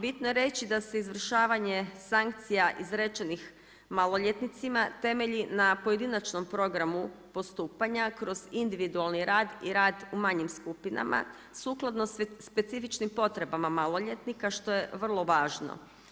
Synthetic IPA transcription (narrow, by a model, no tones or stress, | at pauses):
bit̪noje̞ɾe̞t͡ɕid̪ase̞izʋr̩ʃaːʋaɲe̞saŋk̚t̪sijaʔizɾe̞t͡ʃenix | malˠo̞ʎe̞t̪nit̪simat̪e̞me̞ʎinapo̞jed̪inat͡ʃno̞mpɾo̞ɡɾamupo̞st̪uːpaɲakɾo̞zind̪iʋid̪ualˠniɾaːd̪iɾaːd̪umaɲimskupina̰mʔa̰ | suklˠad̪no̞spe̞t̪sifit͡ʃnimpo̞t̪ɾe̞bamamalˠo̞ʎet̪nikaʃt̪o̞je̞ʋr̩lˠo̞ʋaːʒno̰